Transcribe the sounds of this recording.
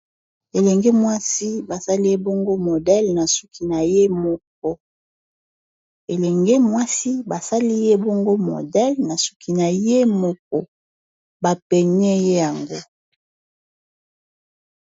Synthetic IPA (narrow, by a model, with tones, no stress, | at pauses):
e˨lɛ˨ŋɡe˦mwa˦si˦ba˨sa˦li˦je˦bo˦ŋɡo˦mo˨dɛ˦lna˨su˦kʰi˨na˨je˦mɔ˦k̚ɔ˦ | e˨lɛ˨ŋɡe˦mwa˦si˦ba˨sa˦li˦je˦bɔ˦ŋɡo˦mo̰˨dɛ˦lna˨su̥˦ki˨na˨je˦mɔ˦˨k̚ɔ˨ | ba˨pɛ˨ɲɛ˦je˦ja˨ŋɡo˦